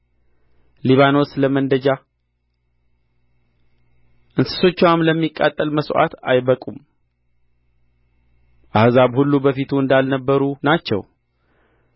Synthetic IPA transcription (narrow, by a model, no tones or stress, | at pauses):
liβano̞sləmənd̪əd͡ʒa | ʔɨnsɨ̥so̞t͡ʃːɛwamləmːikʼːa̰t̪ʼːəlməsʔa̰t̪ajbəkʼum | ʔahzaβhulːubəfit̪ʰuɨnd̪alnəbːəɾunat͡ʃːɛ̰w